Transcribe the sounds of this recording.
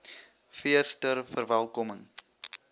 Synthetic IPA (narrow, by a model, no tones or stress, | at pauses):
fiəstərfərvælˠkɔməŋ